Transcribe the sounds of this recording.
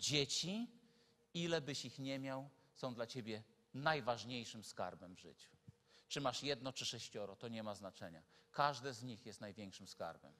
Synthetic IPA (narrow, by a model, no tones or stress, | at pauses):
d͡ʑet͡ɕi | ilɛbɘɕixɲɛmʲjaw | sɔ̃w̃d̪lat͡ɕebʲjɛ | najvaʐɲejʂɘmska̰ɾbɛmvʐɘ̰t͡ɕu̥t͡ʂɘmaʂjɛd̪nɔt͡ʂɘʂɛɕt͡ɕɔɾɔt̪ɔɲɛmaznat͡ʂɛɲa̰kaʐd̪ɛzɲixjɛst̪najvʲjeŋkʂɘmska̰ɾbɛ̰m